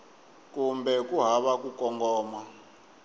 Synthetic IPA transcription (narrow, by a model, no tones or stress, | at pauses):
kumbɛkuɦaβak̬ukɔŋɡɔːma